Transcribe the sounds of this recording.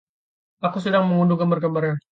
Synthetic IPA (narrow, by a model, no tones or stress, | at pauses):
akus̬ədaŋməŋunduɡəmbərɡəmbərɲa